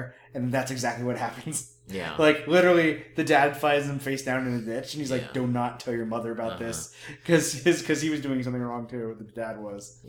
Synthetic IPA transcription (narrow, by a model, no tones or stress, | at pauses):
ɨ̃nð̃n̩ðætsɨɡzæk̚tˡliwʌt̚hæpɨ̃nz̥ | j̰laɪklɪɾə˞l̩ˠiðɨdæd̥faɪzɨ̃ɱfeɪsd̥ãʊ̃nɨ̃nɨdɪt͡ʃn̩izlaɪk̚d̥õʊ̃nətʰɛlˠjə˞mʌðə˞ɨbaʊt̪̚ðɪskʰʌz̥ɪz̥kʰʌziwʌzdʉɪ̃ŋsʌ̃mθɪ̃ŋɹɔ̃ŋtʰɨwʌt̪̚ðɨdæd̚wʌz̥